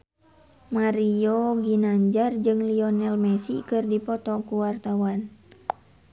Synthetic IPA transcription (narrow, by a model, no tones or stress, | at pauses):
maɾioɡinaɲd͡ʒard͡ʒɨŋliɔnɛlmɛsikɨrdipɔt̪ɔkuwart̪awan